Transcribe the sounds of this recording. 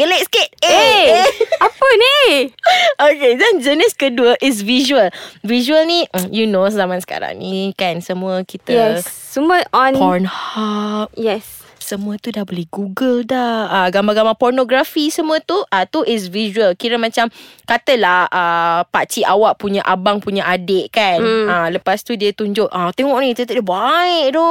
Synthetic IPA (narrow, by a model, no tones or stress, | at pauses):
ɡəlet̚sket̚e | apəne | okedɛnd͡ʒənɪskəduəʔɪs̬viʒuəlviʒuəlnĩjunozamãnsə̥ka̰ɾa̰ŋnikɛnsəmũəkit̪əjɛsː | əmuəʔɔnpɔnhap̚jɛs | səmũət̪udahbolɛhɡuɡəldahaɡambaɡambapɔrnoɡɾafisəmũət̪uʔat̪uʔɪs̬viʒuəlkiɾəmãt͡ʃamkat̪əlahʔəpat͡ʃiʔawaʔpuɲaʔabaŋpuɲaʔadeʔkanaləpast̪udiət̪uɲd͡ʒoʔʔat̪ɛŋɔʔnkit̪ət̪ədəbaɪʔdɔ